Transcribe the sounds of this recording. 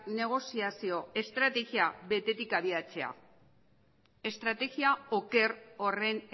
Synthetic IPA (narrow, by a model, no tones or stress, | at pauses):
ne̞ɣ̞o̞siasio̞e̞st̪ɾat̪e̞ɣiabe̞t̪et̪ikaβiat͡se̞a̰ | e̞st̪ɾat̪e̞ɣiao̞ke̞ɾo̞re̞n